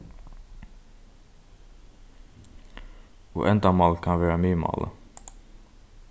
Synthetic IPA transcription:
o̰ːʔɛnd̪ɑmɑlkʰɑnʋeːɹɑmyːmɑ̰ːlʔə̰

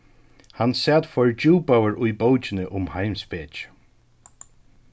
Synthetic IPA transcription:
hansɛːt̪fɔɹt͡ʃuːpawəɹʊjbowt͡ʃɪnɪʔʊmhajmsbɛːt͡ʃ

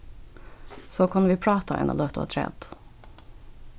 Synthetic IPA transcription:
soːkʰʉnːəʋiːpʰɽɑːt̪ʰɑɛ̰nɑ̰d̪ot̪o̰ːt̪ʰɾɛ̰ːd̪̥

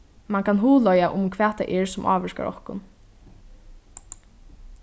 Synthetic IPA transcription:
maŋkʰanɦuːlɔjaʔʊmkʰʋɛːt̪a̰ʔɛɹsʊmʔɑ̰ːʋɛɹka̰ʔɔ̰hkʊ̰n

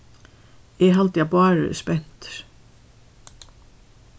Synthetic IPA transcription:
ɛɦalt̪japɑːɹə̰spɛn̥t̪

